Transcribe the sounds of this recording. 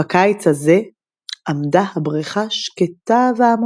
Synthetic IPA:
akajt͡shaze | ʔamdahabʁiχaʃket̪aveam

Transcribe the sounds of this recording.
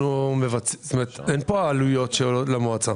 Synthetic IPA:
umevat͡st̪ome̞et̪enpoaːlujo̞tʃeolotlamoat͡sa

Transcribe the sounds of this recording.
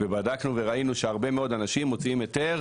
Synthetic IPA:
vebadaknuve̞ʁainuʃe̞aʁbe̞meo̞d̪anaʃimːo̞t͡siimjo̞t̪e̞ʁ

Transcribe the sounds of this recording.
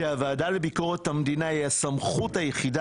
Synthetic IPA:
eavaːdale̞biko̞ʁethamdinaiasamχuthajeχida

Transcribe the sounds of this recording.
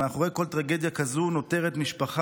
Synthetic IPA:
aχoeko̞lt̪ʁaɡe̞d̪jakazuno̞teʁet̪miʃpaχa

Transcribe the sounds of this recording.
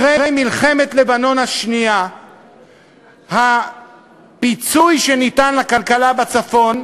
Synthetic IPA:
eʁejmilχe̞met̪le̞bano̞nhaʃnia | ha | pit͡sujʃenitanlakalkalabat͡safo̞n

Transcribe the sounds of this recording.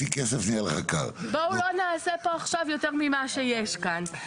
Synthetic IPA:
fikɛsɐvɲɛlˠɐʁɐ̰kɛ̰lˠbɐwɾɔnɐɐsɛpaʁʃavewt̪ɛɲumimaʃɐiɛʃkan

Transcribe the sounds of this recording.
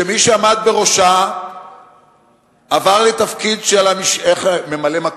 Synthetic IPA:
emiʃeamad̪̚be̞ʁo̞ʃa | avaʁlet̪afkid̪ʃelamiʃeχme̞malemak

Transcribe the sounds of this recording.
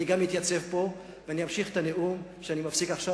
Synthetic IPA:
iɡamit̪jat͡se̞vpo̞ | veanijamʃiχet̪ane̞ʔumʃeanimafsikaχʃa

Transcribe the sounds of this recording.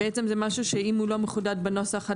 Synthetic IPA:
et͡semzɛmaʃuʃeimhulo̞meχud̪ad̪̚beno̞saχa

